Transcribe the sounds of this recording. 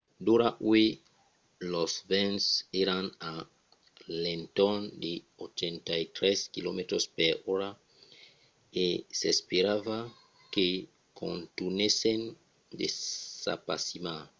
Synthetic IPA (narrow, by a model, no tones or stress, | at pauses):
d̪uɾaʔwe | losvɛ̃nseɾana | lent̪ond̪e | ot͡ʃent̪ajt̪ɾɛskilomet̪ɾospeɾoɾa | esespeɾava | ke | kʰõ̰nt̪unesen | d̪essa̰pasima